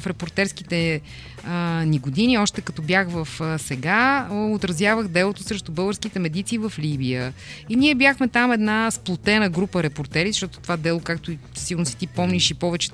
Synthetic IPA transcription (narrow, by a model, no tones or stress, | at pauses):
fɾɛpoɾt̪ɛɾsk̟it̪ɛ | niɡod̪iniɔʃt̪ɛkɐt̪ɔbjaxvəfsɛɡaot̪ɾɐzjavəxd̪ɛlˠot̪osɾɛʃt̪obɤlˠɡəɾskit̪ɛmɛd̪it̪siːvəflibijə | iniɛbʲjaxmɛt̪amɛd̪nasplˠot̪ɛnəɡɾupəɾɛpoɾt̪ɛɾizəʃt̪ɔt̪o̥t̪ovad̪ɛlˠokak̚t̪oisilˠnosɛ̥t̪ipɔmniʃipɔvɛt͡ʃɛ̥